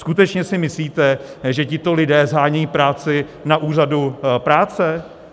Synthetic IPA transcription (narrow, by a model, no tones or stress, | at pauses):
skut̪ɛt͡ʃɲɛsɪmɪsliːt̪ɛʒɛcɪt̪o̞lɪdɛːzɦaːɲɛjiːpɾaːt͡sɪnaʔuːradupɾaːt͡sɛ